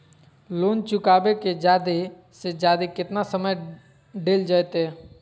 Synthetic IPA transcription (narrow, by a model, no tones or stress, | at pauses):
loːnt͡ʃʊkaːbeked͡ʒaːd̪e | sed͡ʒaːd̪ekɪt̪nasəməj | ɖeːld͡ʒajt̪ɛː